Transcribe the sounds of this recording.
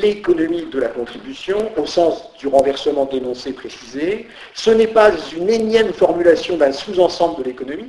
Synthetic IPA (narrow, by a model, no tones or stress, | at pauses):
lekɔnɔmid̪əlakɔ̃t̪χibysjɔ̃osɑ̃sd̪yʁɑ̃vɛʁsəmɑ̃d̪enɔ̃sepχesize | sənɛpazynenjɛmfɔʁmylasjɔ̃d̪ɛ̃suzɑ̃sɑ̃bləd̪əlekɔnɔmi